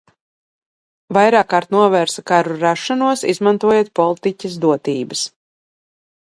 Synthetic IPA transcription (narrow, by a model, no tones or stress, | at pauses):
vajɾaːkːaːɾt̪nuɔvɛːɾsakaɾuɾaʃːanuɔsizmant̪uɔjet̪̚pɔlˠit̪icɐs̬d̪uɔt̪iːbɐs